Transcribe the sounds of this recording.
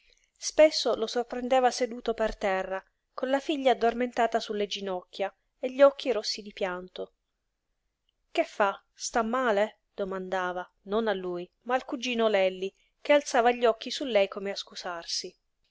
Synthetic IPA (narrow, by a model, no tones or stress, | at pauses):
spesːolosorpɾend̪ɛːvased̪uːt̪opert̪ɛrːa | konlafiʎːaːd̪ːorment̪aːt̪asulːed͡ʒinɔkʰʲːja | eʎːɔk̟ːiɾosːid̪ipjant̪o | k̟efːa | st̪amːaːle | d̪̥omand̪aːva | nonalːuj | maːlkud͡ʒiːnolɛlːi | k̟ealt̪saːvaʎːɔkːisulːɛjkomeaskusarsi